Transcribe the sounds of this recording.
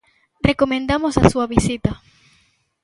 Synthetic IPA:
rekomẽnd̪amosa̰suɐβisit̪ɐ

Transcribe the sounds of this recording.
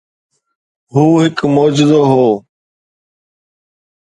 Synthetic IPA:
ɦuːɦɪkmoːd͡ʒɪd̪oːɦoː

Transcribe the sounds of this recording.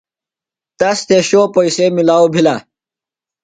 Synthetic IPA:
t̪ɐst̪eɕoːpɐisemilaːwbʱila

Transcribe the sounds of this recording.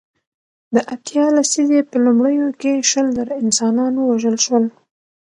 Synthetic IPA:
d̪əʔat̪jɑlasizepəlumɽəjokeʃəlzəɾɪnsɑnɑnowaʒəlʃwəl

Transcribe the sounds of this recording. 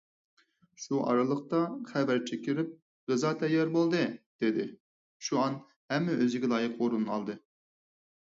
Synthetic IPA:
ʃuʔɑ̰ɾɨlˠəqt̪ɑχɛvæɾt͡ʃʰekʲiɾɪp̚ | ʁɨzɑt̪ʰɛjɑɾbolˠd̪ɨd̪̥ed̪ɪ | ʃuɑn | hɛmːɛøzɪɡʲɛlˠɑːjɨqoɾunːɑ̰lˠd̪ɨ

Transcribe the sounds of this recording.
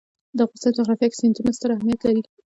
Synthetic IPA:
d̪əɣʊsaaɣɾafjaksent̪unast̪əɾahmijat̪laɾi

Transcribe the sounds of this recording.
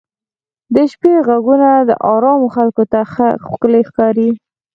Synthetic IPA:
d̪əʃpeɣaɡunad̪ə̰ʔɑɾɑmoxalkot̪axkəlexkɑɾi

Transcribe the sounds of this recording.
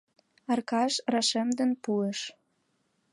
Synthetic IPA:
ɑrkɑʃrɑʃemd̪ə̆npueʃ

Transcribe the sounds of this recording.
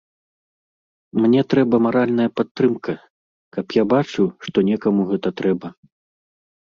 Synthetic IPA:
mnʲɛt̪ɾɛbɐmaɾalʲnɐjɐpat̪ːɾɨmkʰɐ | kɐpjabat͡ʂuʂt̪ɔnʲɛkɐmuɣɛt̪ɐt̪ɾɛbɐ

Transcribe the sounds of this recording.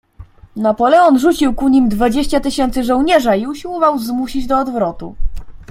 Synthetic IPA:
napɔlɛɔnʐut͡ɕiwkuɲimd̪vad͡ʑeɕt͡ɕat̪ɘɕɛnt̪sɘʐɔwɲɛʐaiuɕiwɔvawzmuɕid͡ʑd̪ɔːd̪vɾɔt̪ṵ

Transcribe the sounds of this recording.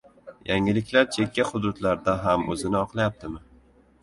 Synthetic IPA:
jʔaŋɪlɪkʲlaɾt͡ʃʰe̞kʲːahʊd̪ʊd̪laɾd̪aɦamɵ̰zɪnɪɒqlˠajap̚t̪ʰɪmɪ

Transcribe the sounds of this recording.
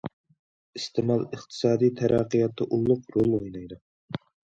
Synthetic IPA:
ist̪ʰɪmɑlˠəχt̪ʰɨ̥sɑːd̪ijt̪ʰæɾʔɑqːijɑt̪ːɑʔulˠːʊqɾolˠojnɑjd̪u

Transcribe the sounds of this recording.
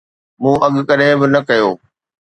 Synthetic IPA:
mũːʔɐɠkɐɗɦɪ̃bɪnɐkɐjoː

